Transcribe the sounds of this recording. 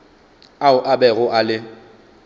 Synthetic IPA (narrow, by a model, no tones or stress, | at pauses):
aʊʔabɛɣʊʔalɪ